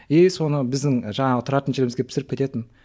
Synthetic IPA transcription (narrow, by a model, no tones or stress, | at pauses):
e̞jso̞nəbɪzd̪ɪŋʒɑɴɑʁət̪ʰʊɾɑt̪ənʒelmzɡe̞pʰɪ̥sɪɾɪp̚kʲe̞t̪e̞t̪ɪn